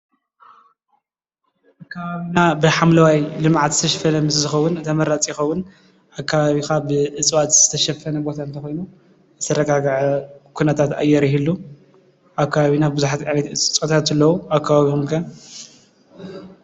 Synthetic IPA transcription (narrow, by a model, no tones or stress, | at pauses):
ʔakʰːɐβaβinabɨħamlɐwajlɨmʕat̪zɨt̪ʰɐʃɐfɐnɐmɨzɨzɨxɐwːʊnɨt̪ʰɐmɐɾat͡sʼjɪxɐwːʊn | ʔakʰːaβaβixabɨʔɨt͡sʼwat̪z̥ɨt̪ʰɐʃɐfːɐnɐbo̞t̪ʰant̪ʰɐxojnu | zɨt̪ʰɐɾɐɡaɡʕukʰunɐt̪ʰat̪a̰jɛɾiɦilːu | ʔaβkʰːaβaβinabɨbɨzuħat̪ʼanɐt̪ɨt͡sʼɨt͡sʼwat̪ʰat̪ɨlːɐwuakʰːaβaβikumkʰɐ